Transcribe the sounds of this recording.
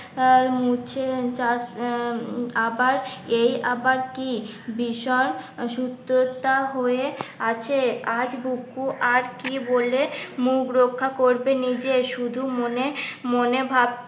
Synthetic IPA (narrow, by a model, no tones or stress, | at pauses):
mut͡ɕʰet͡ɕas | abaɾejabaɾkibiʃɔɾʃut̪ːɾot̪aɦoeat͡ɕʰead͡ʑbukːuʔaɾkibolemukɾokʰːakoɾbenid͡ʑeʃud̪ʱumonemonebʱab̚